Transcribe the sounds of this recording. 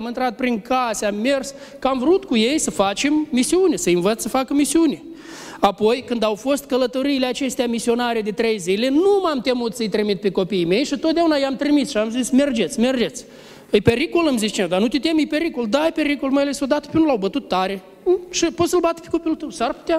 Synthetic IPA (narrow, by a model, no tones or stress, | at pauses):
amɨnt̪ɾat̪̚pɾiŋkʰaseamːe̞rs | kəamvɾut̪kuje̞jsəfat͡ʃe̞mːisiunʲesəɨnvət̪ssəfakəmisiunʲe | apo̞jkɨnd̪awfo̞st̪kələt̪o̞ɾiːleat͡ʃe̞st̪eamisio̞naɾed̪e̞t̪ɾe̞jzile̞numamt̪e̞mut̪səɨjt̪ɾimit̪̚peko̞piːme̞jʃit̪ot̪d̪ʲeaunajeamt̪ɾimisʃiamzisme̞rd͡ʒe̞t̪sʲme̞rd͡ʒet̪sʲ | ɨjpʲe̞ɾikolɨmzitst͡ʃined̪anut̪ʲet̪e̞mɨjpe̞ɾikold̪aɨjpe̞ɾikolməjlesod̪at̪ə̥pʲeunulawbət̪ut̪ːaɾe̞ | ʃipo̞t̪səlbat̪ə̥pe̥ko̞pijlult̪əwsarpu̥t̪ʲa